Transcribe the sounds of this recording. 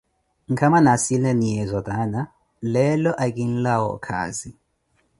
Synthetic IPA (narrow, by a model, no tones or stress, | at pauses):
ŋ̩kʰamanasilɛnijɛzɔdana | lɛlɔʔak̬ʼin̩lawɔ̰kʰa̰ːzi